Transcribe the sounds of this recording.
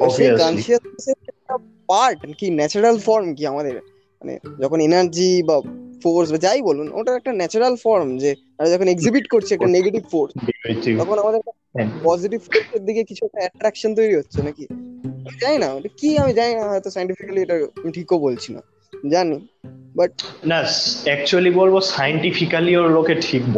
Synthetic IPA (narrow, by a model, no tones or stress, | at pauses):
oʃekanʃiasseɛk̚ʈa | paɾʈkinɛt͡ɕoɾalfɔɾmkiamad̪eɾ | ma̰nḛd͡ʑɔkʰonenaɾd͡ʑibafoɾs̬bad͡ʑajboluno̰ʈaɾɛk̚ʈanɛt͡ɕoɾalfɔɾmd͡ʑe | aɾad͡ʑɔkʰoneɡzibiʈkoɾt͡ɕʰiɛk̚ʈaneɡeʈibfoɾst̪ɔkʰonamad̪eɾkaepɔziʈibfoɾseɾd̪ikekit͡ɕʰuɛk̚ʈaɛʈɾɛkʃont̪̬ojɾiɦotːɕʰenakiamid͡ʑajnaoʈakiamid͡ʑajnaɦɔjt̪osajɳʈifikalieʈaamiʈʰikobolt͡ɕʰina̰ | d͡ʑanibɐʈ̚nasɛk̚t͡ʃualibɔlbɔsajɳʈipʰikaliolokeʈʰikbɔ